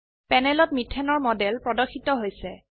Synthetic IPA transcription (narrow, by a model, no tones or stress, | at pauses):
pɛnɛlɔtmitʰːɛnɔɹmɔdɛlpɹɔdɔxʰitɔɦojsɛ